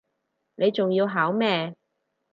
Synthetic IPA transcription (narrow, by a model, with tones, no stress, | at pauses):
ne˨˧jt͡sʊ˨ŋjiː˧wɦaː˨˥wmɛː˧